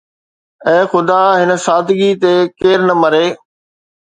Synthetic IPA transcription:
ɛ̃ːxʊd̪aɦɪnə̆saːd̪ʱɪɡit̪ekeːɾnəmɐɾeː

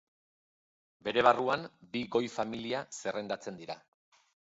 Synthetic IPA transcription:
be̞ɾe̞β̞aruambiɣo̞jfamiliase̞re̞nd̪at͡se̞nd̪iɾa

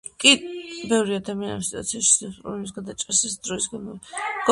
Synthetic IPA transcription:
kʼibɛvɾiad̪amiana̰msit̪ʼw̰a̰t̪sʰiaʃi̥sɛsʼṵɾunis̬ɡad̪at͡ʃʼɛɾsasd̪̥ɾɔisɡanmɔɡ̥ɔ

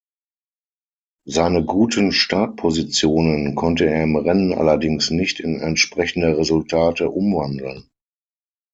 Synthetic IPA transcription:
zaɪnəɡuːtʰənʃtaːt̚pʰozit͡sjoːnənkʰɔntəeːɐɪmʁɛnənʔa̰lɐdɪŋsnɪçtɪnɛ̰ntʃpʁ̥ɛçn̩dɐʁezʊltʰaːtəʔʊmvandl̩n

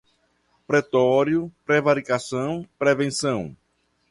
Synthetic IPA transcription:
pɾɛt̪ɔɾjʊpɾevaɾikasɐ̃w̃pɾɛvẽsɐ̃w̃

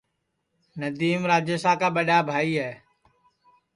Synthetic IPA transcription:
nəd̪iːmɾaːd͡ʒjəsaːkaːɓəɗaːbʱaːiːɦɛː

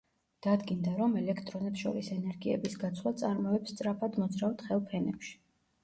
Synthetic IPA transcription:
d̪̥ad̪ɡind̪aɾɔmɛlɛkʰt̪ʼɾɔnɛpsʃɔ̰ɾisɛnɛɾɡiɛ̰bisɡat̪sʰlˠat̪sʼaɾmɔɛpst̪sʼɾapʰad̪mɔd̪zɾaft̪χɛlˠpʰɛnɛpʃi̥

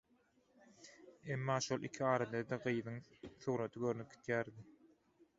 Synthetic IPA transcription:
emːɑːʃolˠʔḭkʰiɑːɾɑd̪ɑd̪ɑɢɯjðɯŋθuːɾot̪ʰɯɡøɾnyk̚i̥t̪jæːɾd̪i

